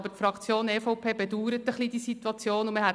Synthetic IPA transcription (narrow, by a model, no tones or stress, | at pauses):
bətfɾɑkt͡sjoːneːfɔʊpʰeːbɛduːɾət̪əχlid̥isit̪uɑt͡sjoːnuməhɛ